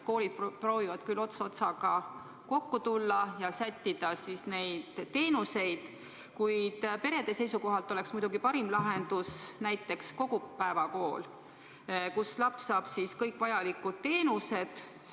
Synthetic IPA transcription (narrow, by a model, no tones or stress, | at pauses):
ko̞ːlid̪̥̚proːvivɑd̪̥kylːo̞t̪so̞t̪sɑɡɑ | ko̞kːut̪ulːɑjɑsæt̪ʲːid̪̥ɑsisne̞jd̪̥t̪ːe̞ːnuse̞jd̪̥ | kujd̪̥pe̞ɾe̞d̪̥e̞se̞jsuko̞ɦɑlt̪ˑːo̞le̞ksmujd̪uɡipɑɾimlɑɦe̞nd̪̥usnæjt̪ˑːe̞ksko̞ɡ̥upæevɑko̞ːl | kuslɑpssɑːb̥siskɤjkːˑvɑjɑlikːˑud̪̥̚t̪e̞ːnuse̞d̪̥